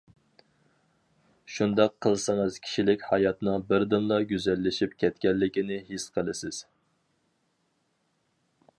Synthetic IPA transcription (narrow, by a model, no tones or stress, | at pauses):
ʃund̪ɑqʰːəlˠsɨŋɨz̥kʲʰi̥ʃilɪkʲhɑjɑt̪nɨŋbɪɾd̪ɨmlˠɑɡʲyzɛlːɪʃipkʲʰɛt̪kʲɛlːɪkʲinɪɦisqʰəlˠɨsɪz̥